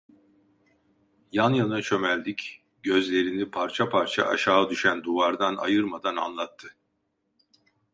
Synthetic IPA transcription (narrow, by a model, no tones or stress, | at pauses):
janjanat͡ʃʰø̞mælʲd̪ic | ɟø̞zlʲe̞ɾinipʰaɾt͡ʃʰapʰaɾt͡ʃʰa̰ʔa̰ʃaːad̪yʃænd̪uvaɾd̪ana̰jɯɾmad̪ana̰nlˠat̪ʰːɯ